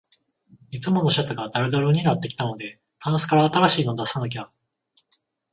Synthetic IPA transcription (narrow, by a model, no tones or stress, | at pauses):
it͡sɨmo̞no̞ɕat͡sɨɡad̪aɾɯ̟d̪aɾɯɲ̟inat̪ːe̞kʲi̥t̪ano̞d̪e̞ | t̪ʰãɰ̃sɨ̥kaɾaːt̪aɾaɕiːnod̪asanak̬ʲa